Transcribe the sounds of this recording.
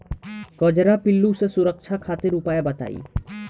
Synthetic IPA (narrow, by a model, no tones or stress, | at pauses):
kɔd͡ʑɾapilːusesuɾək̚ʃʰakʰat̪eɾupajebət̪a̰ḭ